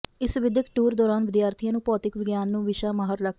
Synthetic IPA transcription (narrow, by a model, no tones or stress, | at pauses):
ɪsʋɪd̪əkʈuːɾd̪ɔːɾaːnʋɪd̪jaːɾt̪ʰijãːnũːpɔːt̪ɪkʋɪɡjaːnːũːʋɪʃaːmaːɦəɾɾək̚ʰ